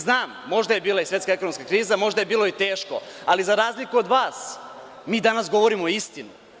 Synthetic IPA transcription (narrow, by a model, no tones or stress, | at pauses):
znaːmːo̞ʒd̪ajebiːlˠaisʋet̪kaeko̞no̞mskakɾiːzamo̞ʒd̪ajebiːlˠo̞it̪e̞ːʃko̞̰alizaɾaːzlikuo̞d̪ʋaːs | miːd̪anas̬ɡo̞ʋo̞ɾimoist̪inu